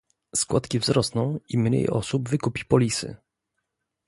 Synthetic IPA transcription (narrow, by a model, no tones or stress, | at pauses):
skwat̪kʲivzɾɔsnɔ̃w̃imɲḛjɔ̰subvɘkupʲipɔlʲisɘ̰